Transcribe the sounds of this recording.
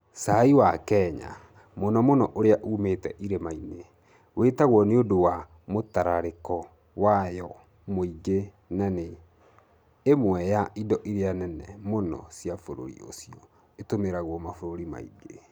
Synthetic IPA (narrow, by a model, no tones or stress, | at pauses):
saiwakɛːɲa̰ | monɔmonɔʔoɾeaʔumetɛʔiɾemaine | wetaɣwɔneodowa | motaɾaɾekɔ | wajɔ | moiɡe | nane | mwɛjaʔidɔʔiɾeanɛnɛmonɔ̰sjafoɾo̰ɾḭo̰siɔ | etomeɾaɣwɔmafoɾoɾima̰ḭɡe